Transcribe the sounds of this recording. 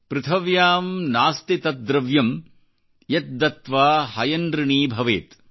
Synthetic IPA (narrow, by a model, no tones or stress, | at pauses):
pɾɨt̪ʰɐʋjaːmnaːst̪it̪ɐt̪̚d̪ɾɐʋjɐm | jɐt̪̚d̪ɐt̪ʋaːhɐjɐnd̪ɾɐɳiːbʱɐʋḛːt̪